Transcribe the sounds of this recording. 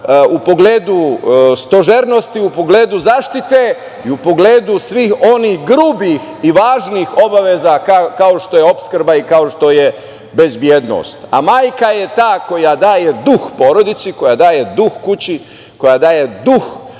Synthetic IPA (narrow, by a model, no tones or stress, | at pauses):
upo̞ɡle̞ːd̪ust̪o̞ʒeɾno̞st̪iupo̞ɡle̞ːd̪uzaːʃt̪it̪e | iupo̞ɡle̞ːd̪usʋixo̞nihɡɾuːbixiʋaːʒniːxo̞baʋezakakao̞ʃt̪o̞jeo̞pskɾ̩baikao̞ʃt̪o̞je | be̞zbjeːd̪no̰ːst̪a̰maːjkaje̞t̪aːko̞jad̪aːje̞d̪uxpo̞ɾo̞d̪it̪siko̞jad̪aːje̞d̪uxkut͡ɕi | ko̞jad̪aːje̞d̪ux